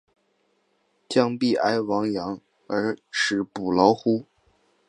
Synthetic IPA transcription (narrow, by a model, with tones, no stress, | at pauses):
t͡ɕjɑ˥˧ŋpi˥˩ʔa˥ɪwɑ˧˥ŋjɑ˧˥ŋ | ə˞˧˥ʂɻ̩˧˥pu˨˩lɑ˧˥ʊxu˥